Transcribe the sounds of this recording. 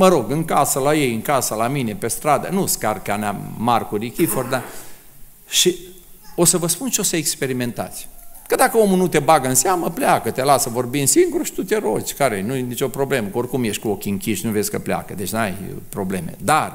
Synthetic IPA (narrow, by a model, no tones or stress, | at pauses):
məɾo̞ɡɨŋkasəlaje̞jɨŋkasəlamine̞pe̞st̪ɾad̪ənuskarkanamarkuɾikʲiford̪a | ʃi | o̞səvəspunt͡ʃeo̞səekspe̞ɾime̞nt̪a̰t̪sʲkəd̪akəo̞mulnut̪e̞baɡəɨnseaməpleakət̪e̞lasəvo̞rbimsiŋɡuɾuʃi̥t̪ut̪ʲeɾo̞t͡ʃʲkaɾenujenit͡ʃo̞pɾo̞ble̞məko̞rkumjeʃt̪ʲkuo̞kʲiɨŋkʲiʃnuve̞sʲkəplea̰kəd̪e̞t͡ʃʲnuajpɾo̞ble̞me̞̰d̪ar